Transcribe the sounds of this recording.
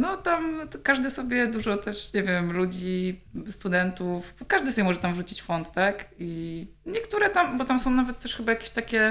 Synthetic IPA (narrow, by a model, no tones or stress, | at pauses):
nɔt̪amkaʐd̪ɘsɔbʲjɛd̪uʐɔt̪ɛʂɲɛvʲjɛmlud͡ʑist̪ud̪ɛnt̪ufkaʐd̪ɘsɔbʲɛmɔʐɛt̪amvʐut͡ɕit͡ɕfɔnt̪t̪akiɲɛkt̪uɾɛt̪ambɔt̪amsɔ̃w̃navɛt̪ːɛʂxɘbajakʲeɕt̪akʲɛ